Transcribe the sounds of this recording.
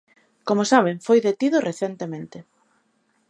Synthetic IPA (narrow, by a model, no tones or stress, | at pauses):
komʊsaβ̞eɱfojðet̪iðʊreθent̪emẽnt̪e